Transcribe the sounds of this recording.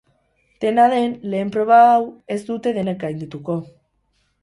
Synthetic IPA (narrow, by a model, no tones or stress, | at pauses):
d̪̥e̞naðe̞nle̞ːmpɾo̞β̞aːwe̞zd̪ut̪e̞ðe̞nek̚ɡajnd̪ut̪uko̞